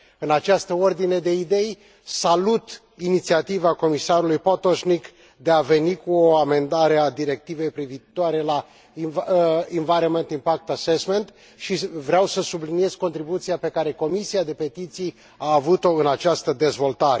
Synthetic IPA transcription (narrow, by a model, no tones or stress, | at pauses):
ɨnat͡ʃast̪əo̞rd̪ine̞d̪e̞id̪e̞j | salut̪ | init̪siat̪ivako̞misaɾulujpot̪oʃnik | d̪e̞ave̞nikuoame̞nd̪aɾe̞ad̪iɾe̞k̚t̪ive̞jpɾiviːt̪oaɾe̞la | iinvaɾement̪impak̚t̪asesme̞nt̪ | ʃivɾeawsəsublinije̞zko̞nt̪ɾibut̪siape̞kaɾe̞ko̞misiad̪e̞pe̞t̪it̪sij | aːvut̪o̞ɨnat͡ʃast̪əd̪e̞zvo̞lt̪aɾe